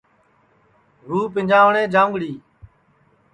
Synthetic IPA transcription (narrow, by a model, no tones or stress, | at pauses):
ɾuːpɪnd͡ʒãːʋɳẽːd͡ʒãːʊ̃ŋɡɽiː